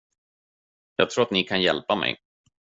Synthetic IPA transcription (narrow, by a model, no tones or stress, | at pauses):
jɑːɡt̪ʰɾuːɾat̪nɪkʰanjɛlpamɛ̰j